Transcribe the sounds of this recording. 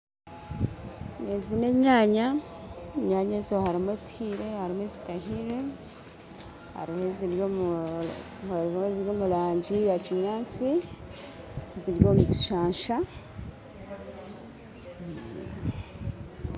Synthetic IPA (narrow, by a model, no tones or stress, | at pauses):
nezine̞ɲaːɲa | eɲaːɲeːzo̞haɾimwezi̥hiɾe̞haɾimweːzitaɦiɾe̞ | ha̰ɾiheziɾjom | hheziɾjo̞ːmulaːɲɟijaciɲaːnt͡si | ziɾjo̞ːmuci̥ʃaːɲʃa